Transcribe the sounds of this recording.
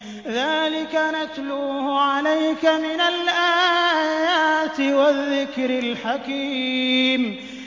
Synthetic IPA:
ðaːlɪkanat̪luːhʕalajkamɪnalʔaːjaːt̪ɪwaðːɪkɾɪlħakiːm

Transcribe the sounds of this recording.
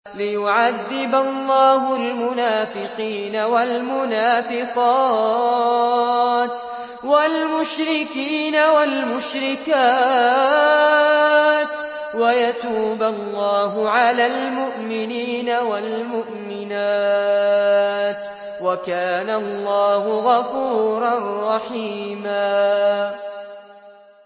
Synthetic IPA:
lɪjʊʕaðːɪbalːɑːɦʊlmʊnaːfɪqiːnawalmʊnaːfɪqɑː | t̪ | walmʊʃɾɪkiːnawalmʊʃɾɪkaː | t̪ | wajat̪uːbalːɑːɦʊʕalaːlmʊʔmɪniːnawalmʊʔmɪnaː | t̪ | wakaːnalˤːɑːɦʊɣɑfuːɾˤɑrˤːɑħiːmaː

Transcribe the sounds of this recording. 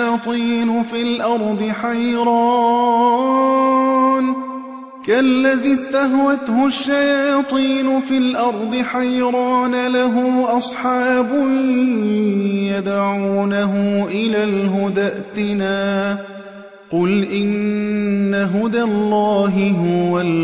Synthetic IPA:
t̪ˤiːnʊfilʔɑɾˤd̪ˤɨħajɾɑ | n | kalːaðist̪aɦwat̪hʊʃːajɑːt̪ˤiːnʊfilʔɑɾˤd̪ˤɨħajɾˤɑːnalaɦʊːʔɑsˤħɑːbʊ | jad̪ʕuːnaɦʊʔɪlaːlɦʊd̪aʔt̪ɪnaː | qʊlʔɪnː | aɦʊd̪alːɑːɦɪɦʊwal

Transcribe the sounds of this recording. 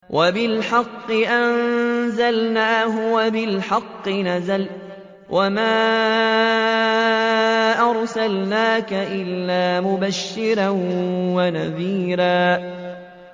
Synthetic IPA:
wʔabɪlħɑqːɨʔanzalnaːɦʊwabɪlħɑqːɨnazal | wʔamaː | ʔɑɾˤsalnaːkaʔɪlːaːmʊbaʃːɪɾanwanaðiːɾaː

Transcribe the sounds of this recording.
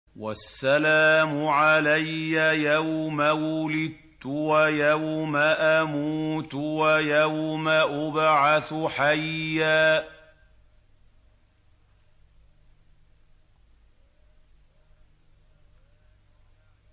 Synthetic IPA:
wasːalaːmʊʕalajːajawmawʊlɪd̪̚ | t̪ʊwajawmaʔamuːt̪wajawmaʔʊbʕaθʊħajːaː

